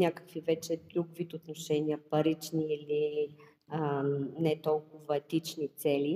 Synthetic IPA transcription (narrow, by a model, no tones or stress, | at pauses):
nʲakə̥kvivɛt͡ʃɛd̪ɾuɡvit̪ot̪noʃɛnʲiəpɐɾit͡ʃniili | nɛt̪ɔlˠkʊvɐɛt̪it͡ʃnit̪sɛli